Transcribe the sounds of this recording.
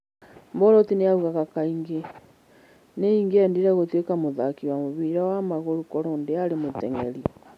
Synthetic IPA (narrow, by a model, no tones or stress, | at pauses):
mboɾotinejauɣaɣakaiŋɡe | neiŋɡeendiɾaɣotekamoðakiwamoβiɾawamaɣoɾukoɾondeaɾemoteŋeɾi